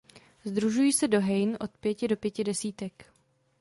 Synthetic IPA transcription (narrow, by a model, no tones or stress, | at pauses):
zd̪ɾuʒujiːsɛdo̞ɦɛjnʔo̞t̪̚pjɛcɪdo̞pjɛcɪdɛsiːt̪ɛk